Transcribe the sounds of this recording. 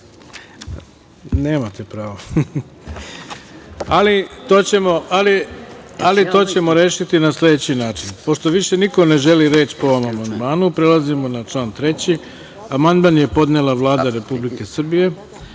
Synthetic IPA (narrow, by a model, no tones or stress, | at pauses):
ne̞ːmat̪epɾaːʋo | alit̪o̞ːt͡ɕe̞mo̞alialit̪o̞ːt͡ɕe̞mo̞ɾe̞ːʃit̪inaslʲe̞d̪et͡ɕinaːt͡ʃinpo̞ʃt̪o̞ʋiʃe̞niko̞ne̞ʒe̞liɾe̞ːt͡ɕpo̞ʋomamand̪maːnupɾe̞lazimo̞nat͡ʃlˠaːnt̪ɾe̞t͡ɕi | amand̪manje̞po̞d̪ne̞lˠaʋlˠaːd̪aɾe̞publike̞sr̩bije̞